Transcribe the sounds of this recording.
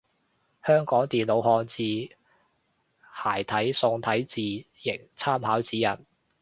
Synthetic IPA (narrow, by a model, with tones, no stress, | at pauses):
hœː˥ŋkɔː˨˥ŋt̪iː˨nlo˨˧wɦɔː˧nt͡siː˨˧ | haː˨˩jt̪ʰɐ˨˥jsʊ˧ŋt̪ʰɐ˨˥jt͡siː˨˧jɪ˨˩ŋt͡sʰaː˥mhaː˨˥wt͡siː˨˥jɐ̰˨˩n